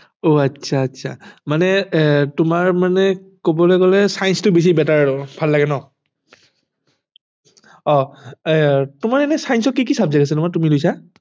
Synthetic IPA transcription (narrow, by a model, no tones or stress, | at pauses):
oatsʰaːtːsʰa̰manɛtʊmaɹmanɛkobɔlɛkɔlɛsajnstʊbes̬ibɛtaɹbʱalːaɡɛnɔ | ɔ | tʊmaɹɛnɛsajnsɔkːikisabzaɡas̬ɛtʊmatumilojsa